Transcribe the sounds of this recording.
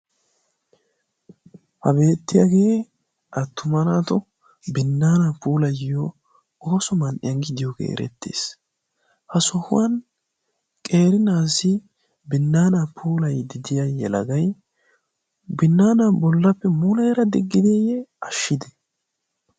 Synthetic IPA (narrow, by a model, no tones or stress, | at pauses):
hɐbe̞ːt̪ːɪja̰ɡeː | ʔɐt̪ːʊmɐnaːt̪ɔ | bɪnːaːnapuːlɐjɪjo | o̞ːsɔmɐnʔɪ̰jɐŋɡɪd̪ɪjokḛːɾɛ̰t̪ːḛːs | hɐsɔhʊ̰wɐn | kʼe̞ːɾɪnaːsɪ | bɪnːaːnapʰuːlɐjd̪ɪd̪ɪjajɛlɐ̰ɡɐj | bɪnːaːnabɔlːɐpːɛmulɐjɾɐd̪ɪɡːɪd̪ejɛɐʃːɪd̪ɛ̥